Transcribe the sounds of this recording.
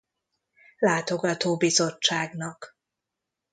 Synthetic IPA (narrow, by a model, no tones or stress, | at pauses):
laːt̪o̞ɡɒt̪oːbizo̞t͡ʃːaːɡnɒk